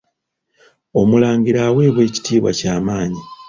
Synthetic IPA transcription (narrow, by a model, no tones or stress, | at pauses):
o̞mulaːŋɡiɾawe̞ːβwe̞ːci̥tiːβwa̰caːmaːɲi